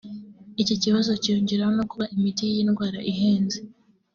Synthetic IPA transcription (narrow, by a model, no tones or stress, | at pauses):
iciciβazo̞cijuːɲɟiɾahonokuβaʔimitijinɡwaːɾaʔiɦeːnze